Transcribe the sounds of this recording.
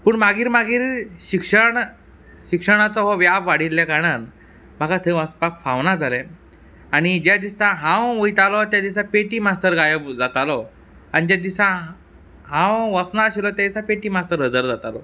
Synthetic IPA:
puːɳmaɡiːɾmaɡiːɾɕikʂəɳ | ɕikʂəɽ̃at͡sɔɦɔʋjafʋaɽ̤ilːjakaɽan | m̤aɡat̪ʰeʋəspakfaʋnad͡zʱalɛ | aɽ̃id͡ʑjad̪isãɦãwujt̪alɔt̪jad̪isãpeʈiːmast̪əɾɡajəbd͡zat̪alɔ | aɽid͡ʑad̪isã | ɦãwʋət͡snaəɕilɔt̪jad̪isãpeʈiːmast̪əɾɦəd͡zəɾd͡zat̪alɔ

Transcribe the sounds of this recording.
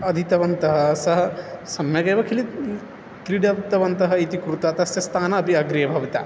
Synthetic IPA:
ɐd̪ʱit̪ɐʋɐnt̪ɐɦɐ̆sɐɦɐ̆sɐmjɐɡɐjʋɐkʰili | kɾiɽɐt̪ɐʋɐnt̪ɐɦɐit̪ikɾut̪ɐt̪ɐsjɐst̪ʰaːnɐːpiɐɡɾijɐbʱɐʋɐt̪a̰ː

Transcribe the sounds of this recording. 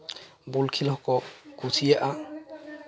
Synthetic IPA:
bulkʰilɦɔkɔkusʰijɛʔa

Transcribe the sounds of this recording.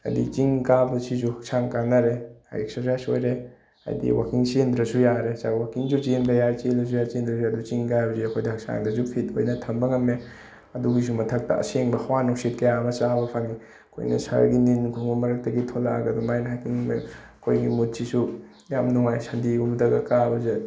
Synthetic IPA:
ɐ̰dit͡ʃiŋkabɐsizuhɐk̚saŋkanɐɾeha̰jeksaɾsajsojɾe | a̰jdḭwakiŋsend̪ɾɐsujaɾesawakiŋzud͡ʒimdɐjaɾt͡ʃelɐs̬ujat͡ʃend̪ɾɐsiɐdut͡ʃiŋkabɐziɐkʰojdɐhɐk̚sa̰ŋdɐzupʰit̚ojnɐtʰɐmbɐŋɐme | ɐduɡis̬umɐtʰɐk̚tɐ̰ɐ̰seŋbɐhawanuksit̚kɐjamɐt͡ʃabɐpʰaŋi | kʰo̰jnɐ̰sa̰ɾɡininkʰuŋbɐmɐɾɐk̚tɐɡitʰolaɡɐdumajnɐɦakiŋme | kʰojɡimut̚sisu | jamnuŋajsɐndiɡumdɐɡɐkabɐze

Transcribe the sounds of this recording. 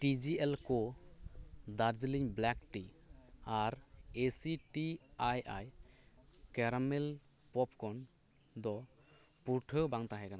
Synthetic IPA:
ʈid͡ʒiɛlkɔ | d̪aɾd͡ʒəliɲblɛkʈi | aɾesiʈiajʔaj | kɛɾamel | pɔp̚kʰɔn | d̪ɔ | puɾʈʰəbaŋt̪aɦɛkana

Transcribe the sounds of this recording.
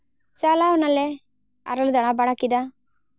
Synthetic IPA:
t͡ʃaːlaːʋɐnɐlːe | ɐ̰ɾɐlud̪ɐɽabaɽakːid̪a

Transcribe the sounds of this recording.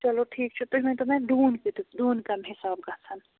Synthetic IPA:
t͡ʃɐloʈʰiːkt͡ʃʰut̪umẽt̪omɛ̃ɖuːnkit̪ɖuːnkɐmɦɪsaːb̚kɐt̪ʰɐn

